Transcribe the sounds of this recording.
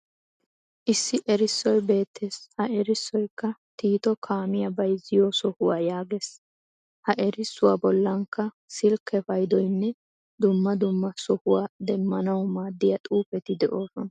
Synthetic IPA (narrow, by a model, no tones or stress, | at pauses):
ʔɪsːɪʔɛɾɪsːɔjbe̞ːt̪ʰːeːshɐʔɛɾɪsːɔjkːɐt̪iːt̪ɔkʰaːmɪjɐbɐjzɪjɔːsɔhʊwaːjaːɡeːs | hɐʔɛɾɪsːʊwaːbɔlːɐŋkːɐ | sɪlkʰɛfɐjd̪ɔjnːɛ | d̪ʊmːɐd̪ʊmːɐsɔhʊwaːd̪ɛmːɐnɐwmaːd̪ːɪjɐt̪ʼuːpɛt̪ɪd̪ɛʔo̞ːsɔnɐ